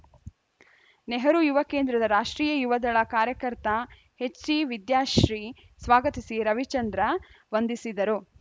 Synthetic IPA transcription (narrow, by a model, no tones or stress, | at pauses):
neɦɐɾujuʋɐkeːnd̪ɾɐd̪ɐɾaːʂʈɾiːjɐjuʋɐd̪ɐɭɐkaːɾjɐkɐɾt̪ɐ | het͡ʃːiʋid̪jaːʃɾiː | sʋaːɡɐt̪isiɾɐʋit͡ʃɐnd̪ɾɐ | ʋɐnd̪isid̪ɐɾu